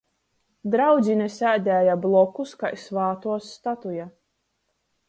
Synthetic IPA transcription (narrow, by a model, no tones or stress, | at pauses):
d̪ɾawd̪zʲinʲɛsʲæːd̪ʲɛːjablˠɔkuskajsvaːt̪uɔsːt̪at̪uja